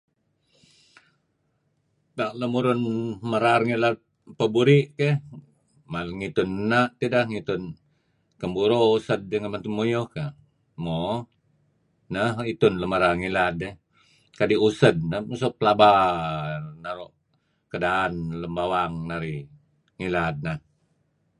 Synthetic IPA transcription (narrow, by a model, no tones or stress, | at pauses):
t̪aʔləmuɾʊnməɾarŋilat̪̚ | pəbuɾiʔkeh | malŋit̪ʊnːaʔt̪idahŋit̪ʊn | kəmbuɾousəd̪̚dəŋənmant̪umojohka | mo | nəhit̪ʊnləməɾarŋilat̪̚ːe | kadiusəd̚nəmusuʔpəlaba | naɾoʔ | kədaːnləmbawaŋnaɾi | ŋilat̪̚nah